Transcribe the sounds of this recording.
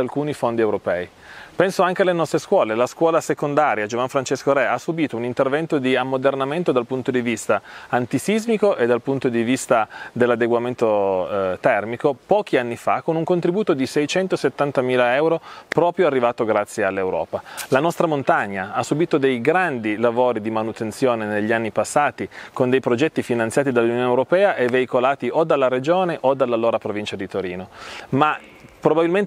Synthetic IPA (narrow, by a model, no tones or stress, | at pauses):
alkuːnifond̪iewɾopɛːi | pɛnsoaŋk̟ealenɔst̪ɾeskwɔːlelaskwɔːlasekond̪aɾjad͡ʒovanfɾant͡ʃeskoɾɛasːubiːt̪ounint̪ervɛnt̪od̪iamːod̪ernament̪od̪alpunt̪od̪ivist̪aant̪isizmikoʔed̪alpunt̪od̪ivist̪ad̪elːad̪eɡwament̪ot̪ɛrmikopɔːk̟ianːifa̰konuŋkont̪ɾibuːt̪od̪isɛjt͡ʃɛnt̪oset̪ːant̪amiːlaɛwɾopɾɔːpɾjoarːivaːt̪oɡɾat̪sːjealːewɾɔ̰ːpalanɔst̪ɾamont̪aɲːaasːubiːt̪od̪ejɡɾand̪ilavoːɾid̪imanut̪ent̪sjoːneneʎːanːipasːaːt̪ikond̪ejpɾod͡ʒɛt̪ːifinant̪sjaːt̪id̪alːunjoːnewɾopɛːaʔevːeikolaːt̪iʔod̪alːaɾed͡ʒoːneʔod̪alːalːoːɾapɾovint͡ʃad̪it̪oɾiːnoma | pɾobabilmen